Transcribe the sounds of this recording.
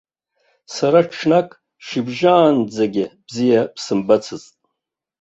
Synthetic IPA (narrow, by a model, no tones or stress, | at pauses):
saɾaʈ͡ʂʰnakʼ | ʃibʒaːnd͡zaɡʲɪb̥zijapsɨmbat͡sʰɨztʼ